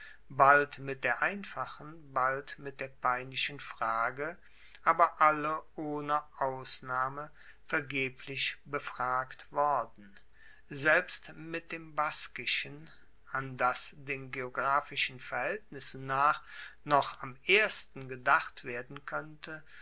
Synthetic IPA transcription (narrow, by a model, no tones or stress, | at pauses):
baltmɪt̚d̥eːɐʔaɪnfaχənbaltmɪt̚d̥eːɐpaɪnɪʃn̩fʁ̥aːɡə | ʔaːbɐʔaləʔoːnəʔaʊsnaːmə | fɛɐɡeːpʰlɪçbəfʁ̥aːktv̥ɔɐdn̩ | zɛlpstmɪt̚d̥eːmbaskɪʃən | andasd̥eːnɡeoɡʁaːfɪʃn̩fɛɐhɛltnɪsn̩naːχnɔχamʔeːɐstn̩ɡədaχtv̥eːɐdn̩kʰœntʰə